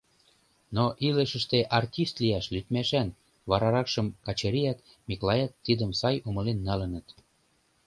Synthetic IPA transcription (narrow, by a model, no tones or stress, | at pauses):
noʔiləʃə̆ʃt̪eʔɑrtʲist̪liæʃlyt̪mæʃæn | βɑɾɑɾɑkʃə̆mkɑt͡ɕeɾiæt̪ | miklɑjɑt̪ːid̪əmsɑjuməlenːɑlə̆nə̆t̪